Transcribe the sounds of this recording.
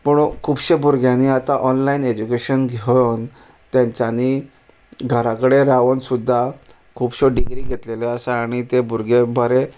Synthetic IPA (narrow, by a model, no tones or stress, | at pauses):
pəɳ̃ukʰuːbɕebuɾɡʱjãniat̪aʔɔnlained͡ʑukeɕənɡʱeon | t̪jãɲt͡ɕani | ɡʱəɾãkəɽeɾaʋənsud̪ʱːa | kʰuːbɕoɖiɡɾiːɡʱet̪leleəsaːɽ̃it̪ebuɾɡʱebʱəɾe